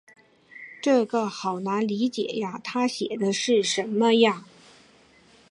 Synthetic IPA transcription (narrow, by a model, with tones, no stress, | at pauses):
ʈ͡ʂɤ˥˩ɡə˩xɑ˨˩ʊna˧˥nli˧˥t͡ɕjɛ̰˨˩ja˥˦t̪ʰa˥ɕjɛ˨˩d̪ə˦ʂɻ̩˥˩ʂə˧˥nmə˧ja˥˧